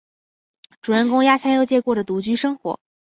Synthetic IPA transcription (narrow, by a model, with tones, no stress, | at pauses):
ʈ͡ʂu˨˩ɻə˥˧nkʊ˥ŋja˥t͡ɕʰja˥njo˥˧ʊt͡ɕjɛ˥˧kwɔ˥˩də˩t̪u˧˥t͡ɕy˥ʂɤ˥ŋxwɔ̰˧˥